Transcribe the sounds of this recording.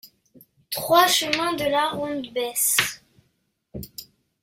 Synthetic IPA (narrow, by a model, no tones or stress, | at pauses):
t̪χwaʃəmɛ̃d̪əlaʁɔ̃d̪bɛs